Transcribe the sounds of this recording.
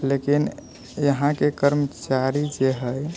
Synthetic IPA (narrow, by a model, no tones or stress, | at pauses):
lekin | jəɦãkekəɾmət͡ʃaɾid͡ʒeɦəj